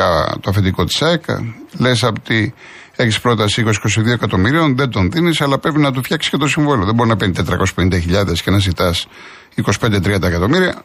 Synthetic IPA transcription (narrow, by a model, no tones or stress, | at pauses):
ɐ̰t̪oɐfed̪iko̞t̪i̥sɐekɐ̰le̞sɐpot̪i | eçispɾo̞t̪ɐsiiko̞s̬i̥ko̞siðio̞ekɐt̪o̞miɾio̞nðe̞nd̪o̞nðinisɐlɐpɾe̞pinɐt̪̬ufçɐksi̥scet̪o̞siɱvoloðebo̞ɾinɐpenit̪et̪ɾɐko̞sspe̞nind̪ɐçiʎɐðescenɐzit̪ɐs | iko̞si̥pend̪et̪ɾiɐnd̪ɐekɐt̪o̞miɾiɐ̰